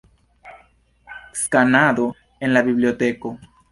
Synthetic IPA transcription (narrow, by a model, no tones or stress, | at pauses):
skanaðo | enlaβiβljot̪eko